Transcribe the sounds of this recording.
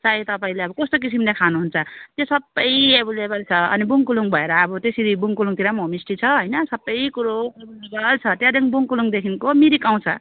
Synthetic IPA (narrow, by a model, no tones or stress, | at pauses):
t͡sait̪ʌpaĩleʌbʌkʌst̪ok̬isimlekʰanuɦunt͡sʰʌt̪jesʌbːʌjebulebʌlt͡sʰʌʌ̰nibuŋkuluŋbʱʌeɾʌːbʌt̪esiɾibuŋkuluŋt̪iɾamomisʈit͡sʰʌɦʌjnʌsʌbːʌjkuɾoebulebʌlt͡sʰʌt̪jãd̪eŋbuŋkuluŋd̪ekʰinkomiɾikãw̃t͡sʰʌ̰